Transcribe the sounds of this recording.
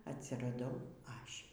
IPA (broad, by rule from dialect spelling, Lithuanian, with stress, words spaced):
ɐtʲsʲɪrɐˈdɐʊ ˈɐʃʲ